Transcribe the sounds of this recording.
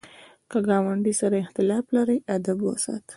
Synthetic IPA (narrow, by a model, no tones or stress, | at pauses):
kəɡɑwaɳɖisaɾaɪxt̪ɪlɑflaɾəjad̪abwasa̰t̪